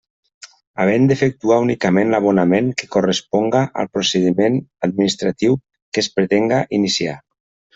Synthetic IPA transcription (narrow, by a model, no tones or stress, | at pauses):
a̰β̞end̪efek̚t̪uaunikamẽnlaβonameŋke̥korəspɔŋɡaʔa̰lˠpɾoseðimenad̪̚minist̪ɾat̪iw | kespɾet̪eŋɡaʔinisia̰